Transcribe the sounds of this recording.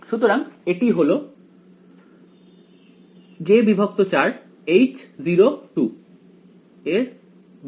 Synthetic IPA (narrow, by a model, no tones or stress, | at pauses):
ʃut̪oɾaŋeʈiɦolo | d͡ʑebibʱok̚t̪ot͡ɕaɾ | ejt͡ɕziɾoʈu | eɾ